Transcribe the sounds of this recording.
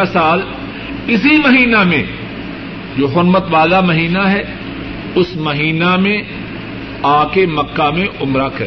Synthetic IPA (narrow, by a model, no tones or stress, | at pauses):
asaːd̪ | ɪsimɐɦiːnamḛ̃ | d͡ʒoːɦʊɾmət̪ʋaːd̪amɐɦiːnaɦɛ | ʊsmɐɦiːnamẽ | aːkemɐkːamẽʔʊmɾakɐɾe